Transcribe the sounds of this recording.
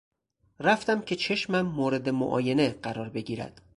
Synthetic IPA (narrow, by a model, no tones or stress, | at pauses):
ɾæft̪æmcʲʰe̞t͡ʃʰe̞ʃmæmːoːɾe̞d̪e̞mo̰ʔɒ̰ːje̞ne̞ɢæɾɒːɾbe̞ɡiːɾæ̰d̪̥